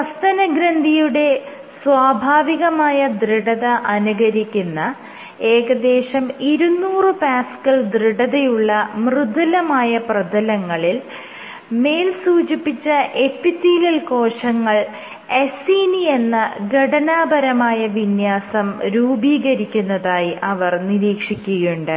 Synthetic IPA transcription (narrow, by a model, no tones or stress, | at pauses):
ɐst̪ɐnɐɡɾɐnd̪ʱijuɽe̞ | swaːbʱaːʋiɣɐmaːjɐd̪riɽɐðɐʔɐnuɣɐɾikʲːunːɐ | e̞ːɣɐd̪e̞ːʂɐmiɾunːuːrɨpaːskɐɭd̪riɽɐðɐjuɭːɐmrɨd̪ʱɐlɐmaːjɐprɐd̪ɐlɐŋːɐɭil | me̞ːlsuːd͡ʑipːit͡ɕːɐʔepːit̪ːiːlɐlko̞ːʂɐŋːɐɭ | e̞siːnie̞nːɐɡʱɐɽɐnaːbɐɾɐmaːjɐʋinjaːsɐmɾuːbiːɣɐɾikʲːunːɐðaːjiʔɐʋɐrniɾiːkʂikʲːuɣɐjuɳɖɨ